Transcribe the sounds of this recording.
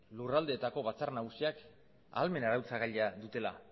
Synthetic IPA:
lurald̪e̞ːt̪ako̞βat͡sarnaɣusiak | a̰lme̞naɾawt͡saɣaʎaðut̪e̞la̰

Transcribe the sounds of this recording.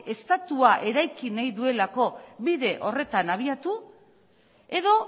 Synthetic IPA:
e̞st̪at̪uaʔe̞ɾajkinajðue̞lako̞βiðe̞ʔo̞re̞t̪anaβ̞iat̪u | e̞ðo̞

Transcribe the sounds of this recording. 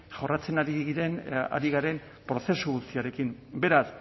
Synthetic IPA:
ʝo̞rat͡se̞naɾiɣiɾe̞na̰ɾiɣaɾe̞n | pɾo̞se̞suɣust̪iaɾe̞kimbe̞ɾas

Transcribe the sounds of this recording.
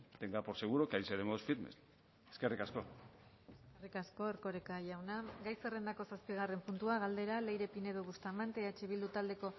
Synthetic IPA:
d̪eŋɡapo̞ɾseɣ̞uɾokajseðemosfiɾmḛs | eske̞rikasko̞ | eskerikasko̞eɾko̞ɾekaʝawnaɡajsere̞nd̪ako̞saspiɣare̞mpunt̪uaɣ̞ald̪e̞ɾale̞jɾe̞pine̞ðoɣust̪amant̪eat͡ʃeβ̞ild̪ut̪ald̪e̞ko̞

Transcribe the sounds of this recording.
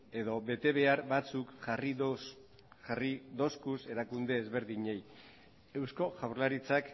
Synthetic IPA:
e̞ðo̞βe̞t̪e̞β̞e̞aɾbat͡sukʝari | ʝarid̪o̞skuse̞ɾakund̪e̞ːzβe̞ɾðiɲe̞j | e̞wsko̞ʝawɾlaɾit͡sak

